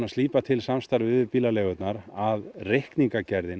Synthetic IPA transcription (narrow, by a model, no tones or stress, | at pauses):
ast̪liːpat̪ʰɪlsamst̪aɾvɪʏʏpiːlalɛːɣʏt̪naɾaðrehkniŋkacɛɾðɪn